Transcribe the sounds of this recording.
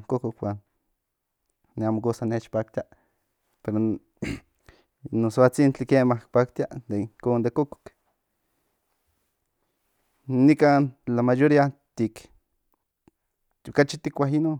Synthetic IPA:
ŋkokokwan | eamokosanet͡ʃpak̚t̪ia | peɾo | nosoat͡sint͡ɬikemahkpakt̪jad̪eŋkoːnd̪ekoko̥k | nikaːnt͡ɬamajoɾiat̪ik | okat͡ʃit̪ikʷaɦinon

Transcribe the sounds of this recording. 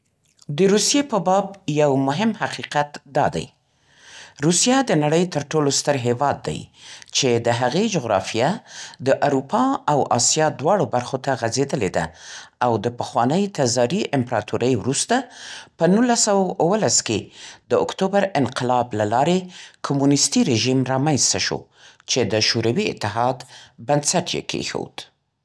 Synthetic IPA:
d̪əɾusjepəbɑbjawmʊɦɪmhaqiqat̪d̪ɑ̰d̪a̰j | ɾusijad̪ənaɽəjt̪əɾʈolost̪əɾɦewɑd̪ːa̰jt͡ʃed̪əɦaɣed͡ʒoɣɾɑ̰fijad̪əʔaɾupʰɑawʔɑsjɑd̪wɑɽobaɾxot̪aɣazed̪əled̪a̰awd̪əpəxwɑnəjt̪azɑɾiʔɪmpɾɑt̪uɾəjwɾust̪apənulːasawawʔwəlasked̪̥əʊ̰kt̪obaɾɪnqɪlɑblalɑɾekʰomunɪst̪iɾeʒimɾɑmanst̪aʃo̰ | t͡ʃed̪əʃoɾawiɪ̰t̪ːɪɦɑd̪bansaʈjḛkʰḛxo̰d̪

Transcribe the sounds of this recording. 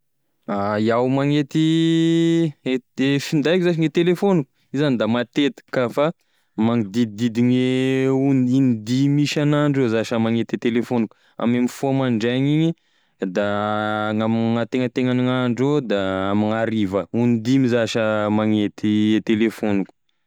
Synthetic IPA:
ajawmaŋet̪i | eefind̪ajkʲzaʃ̬iŋet̪̚t̪elefoniku̥ | izanid̪amat̪et̪i̥kəfa | maŋid̪id̪id̪iŋeunind̪imiʃanaɳɖ͡ʐozaʃəmaŋet̪it̪elefoniku̥ | a̰memifomaɳɖ͡ʐaŋiɲi | d̪aŋamiŋat̪eŋət̪eŋaniŋaɳɖ͡ʐod̪aamiŋaɾivəunid̪imizaʃəmaŋet̪it̪elefoniku̥

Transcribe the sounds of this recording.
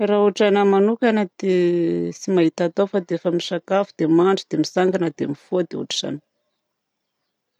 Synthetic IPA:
raɦuʈ͡ʂanəmanukʲanəd̪esimaɦit̪at̪awfad̪efəmisakafud̪̥emaɳɖ͡ʐud̪̥emisaŋɡanəd̪emifoad̪eṵʈ͡ʂi̥ʈ͡ʂa̰nə̥

